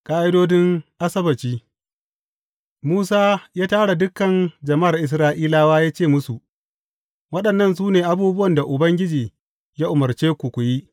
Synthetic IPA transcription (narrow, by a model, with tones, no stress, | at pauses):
kʼaː˦ʔɪ˦doː˦dɪ˦ŋʔa˦sɐ˦bɐ˨t͡ʃiː˦ | muː˦saː˦jaː˦taː˦ɽa˨dʊ˦kːɐ˨nd͡ʒɐ˨ma˦a˨rʔɪ˨s̬ɾaː˦ʔiː˦laː˦waː˦jaː˦t͡ʃeː˦˨mʊ˦su˨ʔ | wɐ˦ɗɐ˨nːɐ˦ns̬uː˦neː˨ʔa˦buː˦bʊ˦wɐ˨nda˨ʔʊ˨bɐ˦ŋɡʲɪ˦d͡ʒiː˨ | jaː˦ʔʊ˨mɐ˨rt͡ʃeː˦kʷu˨kʷʊ˨ji˦ʔ